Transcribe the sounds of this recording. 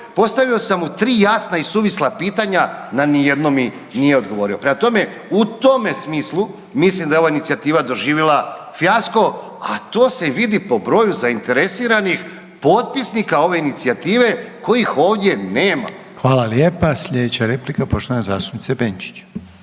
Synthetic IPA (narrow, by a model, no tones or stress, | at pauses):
po̞st̪aʋio̞samut̪ɾiːjasnaisuːʋislapiːt̪aɲananije̞d̪no̞mi | nije̞o̞d̪ɡo̞ʋo̞ɾio̞pɾe̞mat̪o̞me̞ | ut̪o̞me̞smiːslˠu | mislimd̪ajeo̞ʋainit̪siat̪iːʋad̪o̞ʒiːʋjelˠa | fjasko̞ | at̪o̞ːse̞ʋid̪ipo̞bɾo̞juzaint̪e̞ɾe̞siːɾanix | po̞t̪̚pisnikao̞ʋe̞init̪siat̪iːʋe̞ko̞jixo̞ːʋd̪je̞neːma̰ | xʋaːlaljepasʎed̪et͡ɕaɾeplikapoʃt̪oanezaːst̪upnit̪sebent͡ʃi̥t͡ɕ